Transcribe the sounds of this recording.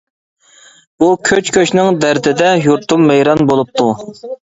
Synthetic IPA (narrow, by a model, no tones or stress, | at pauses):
b̥ukʲʰøt͡ʃkʲøt͡ʃnɪŋd̪æɾd̪ɪd̪ɛjuɾt̪ʰumːɛjɾɑnbolˠup̚t̪ʰu